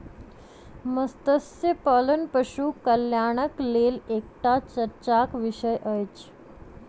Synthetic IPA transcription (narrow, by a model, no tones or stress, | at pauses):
məst̪əsjəpɔlənpəɕukəljaɽ̃əklelekʈat͡ɕəɾt͡ɕakʋiɕəjʔəjt͡ɕ